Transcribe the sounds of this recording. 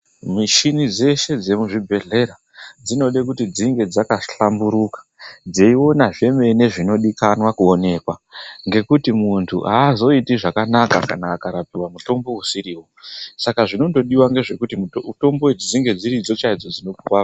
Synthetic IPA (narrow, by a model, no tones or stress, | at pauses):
miʃinid͡ze̞ʃe̞d͡ze̞muʐibʱe̞ɮe̞ɾa | d͡zino̞ɗekutid͡ziŋɡe̞d͡zakaɬambuɾukḁd͡zeio̞naʐe̞me̞ine̞ʐino̞ɗikanwakuone̞kwaŋɡe̞kutimuntʰṵaːzo̞itiʐakanaka̰kanaːkaɾapiwamuto̞mbo̞usiɾiːwo̞sakaʐino̞ndo̞ɗiwaŋɡe̞ʐe̞kutito̞mboed͡ʒid͡ziŋɡe̞d͡ziɾid͡zo̞t͡ʃaid͡zo̞d͡zino̞puwa